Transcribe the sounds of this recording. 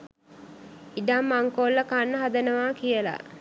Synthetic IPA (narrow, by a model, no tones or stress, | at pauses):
iɖamːaŋkolːəkanːəɦad̪ənəʋaːkijəla̰